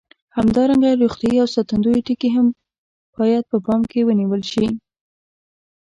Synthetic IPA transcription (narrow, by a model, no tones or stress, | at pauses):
hamd̪ɑɾaŋɡaɾoxt̪jɑiawsɑt̪and̪ojeʈikeɦam | b̥ɑjad̪̚pəpɑmkewəniwəlʃi